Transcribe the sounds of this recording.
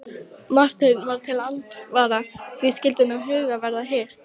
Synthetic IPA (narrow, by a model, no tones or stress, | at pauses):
mar̥t̪ʏnvaɾt̪ʰɪlant̪vaɾavɪðscɪlt̪ʏnawɦʏːɣavɛɾðaɦejr̥t̪